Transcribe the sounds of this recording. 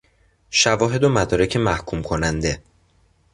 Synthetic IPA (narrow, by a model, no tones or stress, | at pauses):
ʃævɒːɦe̞d̪omæd̪ɒːɾecʰe̞mæhkʰumkʰo̞nænd̪e̞